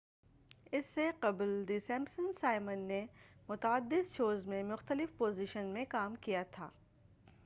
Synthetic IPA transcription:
ɪsːeqɐbld̪isɛ̃mbsə̃nsaːɪmənːemʊt̪əd̪ːɪd̪ʃoːzmẽmʊxt̪əlɪfpoːziʃənmẽkaːmkijat̪ʰa̰ː

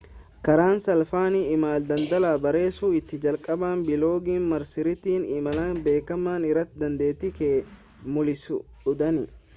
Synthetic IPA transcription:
kɐɾaːnsɐlfaːnɪɪmaːld̪ɐnd̪ɐlaːbɐɾe̞ːsuːɪt̪ːɪd͡ʒɐlkʼɐbaːnbɪlo̞ːɡiːnmɐɾsɪɾɪt̪iːnɪmɐlaːnbe̞ːkːɐmːaːnɪrːɐt̪ːɪd̪ɐnd̪e̞ːt̪ːɪkeː | mʊlɪsʊ | ʊd̪ɐnɪ

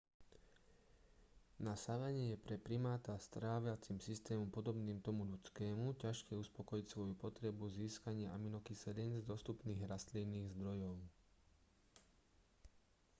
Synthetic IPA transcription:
nasaʋɛɲɪɛjɛpɾɛpɾimaːt̪ast̪ɾaːʋjat͡simsist̪ɛːmɔmpɔd̪ɔbniːmt̪ɔmuʎut͡skɛːmucaʃkɛuspɔkɔjicsʋɔjupɔt̪ɾɛbuziːskaɲɪaʔaminɔkisɛdɛnzd̪ɔst̪upniːɣɾast̪linːiːɣzd̪ɾɔjɔʊ

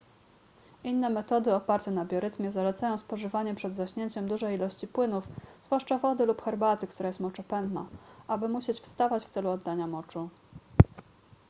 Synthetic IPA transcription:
ʔinːɛmɛt̪ɔd̪ɘɔpaɾt̪ɛnabʲjɔɾɘt̪mʲjɛzalɛt̪sajɔ̃w̃spɔʐɘvaɲɛpʂɛd̪zaɕɲeɲt͡ɕɛmd̪uʐɛjilɔɕt͡ɕipwɘnufzvwaʂt͡ʂavɔd̪ɘlupxɛɾbat̪ɘkt̪uɾajɛst̪mɔt͡ʂɛpɛnd̪na̰ʔabɘmuɕet͡ɕfst̪avat͡ɕft̪sɛluɔd̪ːaɲamɔt͡ʂu

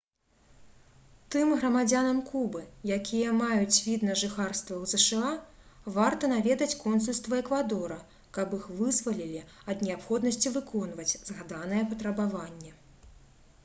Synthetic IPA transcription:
t̪ɨmɣɾɐmad͡zʲanɐmkubɨjakʲijɐmajut͡sʲvʲid̪nɐʐɨxarst̪vɐwzɛʂɨavart̪ɐnavʲɛd̪ɐt͡sʲkɔnsulʲst̪vɐɛkvad̪ɔɾɐ | kɐbɨxvɨzvɐlʲilʲi | ɐd̪nʲɛapxɔd̪nɐsʲt͡sʲivɨkɔnvɐt͡sʲzɣad̪an̪ɐjɛpɐt̪ɾɐbavanʲːɛ

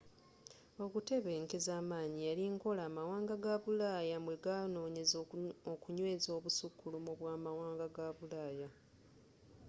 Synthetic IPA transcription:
o̞kute̞βe̞ːŋkezaːmaːɲijaliŋko̞laːmawaːŋɡaɡaβulaːjamwe̞ɡano̞ːɲe̞zokuɲwe̞ːzo̞ːβusukːulumuβwaːmawaːŋɡaɡaβulaːja

